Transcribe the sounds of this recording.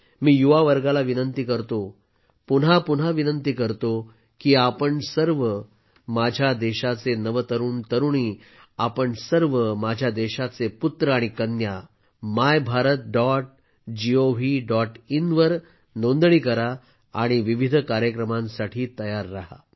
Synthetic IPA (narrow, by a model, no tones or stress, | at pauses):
miːjuʋaʋəɾɡalaʋinənt̪iːkəɾt̪o | pun̤apun̤aʋinənt̪iːkəɾt̪o | kiːapəɳsəɾʋə | mad͡ʑʱjad̪eɕat͡senəʋət̪əɾuːɳt̪əɾuɳiː | apəɳsəɾʋəmad͡ʑʱjad̪eɕat͡seput̪ɾəaɽ̃ikənja | majbʱaɾət̪̚ɖɔʈ̚ | d͡ʑioʋiɖɔʈinʋəɾ | nond̪ɳiːkəɾa | aɽ̃iʋiʋid̪ʱkaɾjəkɾəmãnsaʈʰiːt̪əjaɾːaɦa̰